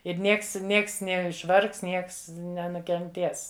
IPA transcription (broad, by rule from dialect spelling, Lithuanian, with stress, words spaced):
ɪr ˈnʲiɛks ˈnʲiɛks nʲɛɪʃˈʋɐrks ˈnʲiɛks nʲɛnʊkʲɛnʲˈtʲeːs